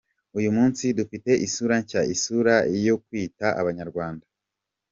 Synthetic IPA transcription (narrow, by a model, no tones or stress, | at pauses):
ujumuːnsidufite̞ʔisuɾaɲcaisuɾaijo̞kwiːtaʔa̰βaɲaɾɡwaːnda